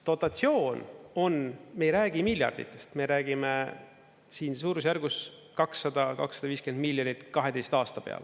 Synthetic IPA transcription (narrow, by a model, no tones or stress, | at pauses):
t̪o̞t̪ːˑɑt̪sio̞ːno̞nme̞jɾæːɡ̥imilʲjɑ̰rd̪̥ḭt̪ːˑe̞st̪me̞ɾæːɡime | siːns̬uːɾusjærɡ̥us | kɑksːɑd̪̥ɑkɑ̰ksɑd̪̥ɑviːskend̪milʲjonit̪kɑɦe̞d̪e̞jst̪ɑːst̪ɑpeɑ̰l